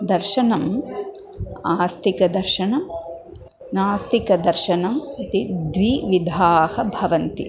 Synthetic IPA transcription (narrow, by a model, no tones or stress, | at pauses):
d̪ɐɾʃɐnɐm | aːst̪ʰikɐd̪ɐɾʃɐnɐ | naːst̪ikɐd̪ɐɾʃɐnɐmɐt̪id̪ʋiʋid̪ʱaːhɐbʱɐʋɐnt̪ḭ